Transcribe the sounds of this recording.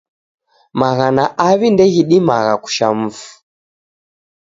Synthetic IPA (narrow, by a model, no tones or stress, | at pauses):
maɣanaʔaβindɛɣiɗimaɣaku̥ʃam̩fu̥